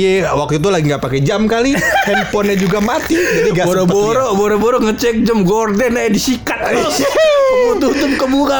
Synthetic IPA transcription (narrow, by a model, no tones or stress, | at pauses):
ewak̚t̪uit̪̬ulaɡiŋɡapakɛd͡ʒamkalihɛnpɔnad͡ʒuɡamat̪id͡ʒadiɡabɔɾɔboɾɔbɔɾɔbɔɾɔŋət͡ʃɛk̚d͡ʒəmɡɔrdɛnaadisikat̪̚ | ut̪ut̪ʊpkəbuka